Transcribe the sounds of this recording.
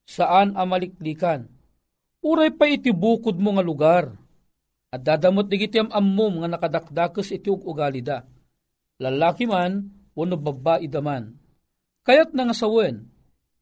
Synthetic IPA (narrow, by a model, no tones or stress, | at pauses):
saʔanamalɪk̚liːkan | uɾajpait̪ibuːkʊd̪̚moŋalʊɡar | ɐd̪aːd̪amot̪̚niɡit̪iamamːʊmŋanɐkad̪ak̚d̪aːkəsit̪iʊɡʊɡalid̪a | lɐlaːkiman | wonubabaʔid̪aman | kajat̪̚naŋasawɛn